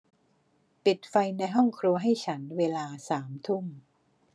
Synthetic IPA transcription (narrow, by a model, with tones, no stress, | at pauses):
pi˨˩t̪̚fa˧jna˧jɦɔ˥˩ŋkʰɾu˧ɐɦa˥˩jt͡ɕʰa˦˥nweː˧laː˧saː˩˦mt̪ʰu˥˩m